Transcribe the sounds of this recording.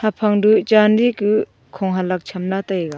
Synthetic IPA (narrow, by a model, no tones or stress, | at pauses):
hapʰaŋdut͡ʃanɾikɯ | kʰɔŋɦalak̚t͡ʃʰamnatajɡa